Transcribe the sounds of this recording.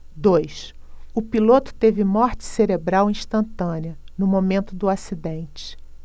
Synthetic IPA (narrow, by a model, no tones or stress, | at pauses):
d̪ojs | ʊpilot̪ʊ̥t̪evɪmɔɾt͡ʃɪ̥seɾebɾawĩʃt̪ɐ̃nt̪ɐ̃niɐ | nʊmomẽnt̪ʊd̪ʊasid̪ẽnt͡ʃɪ̥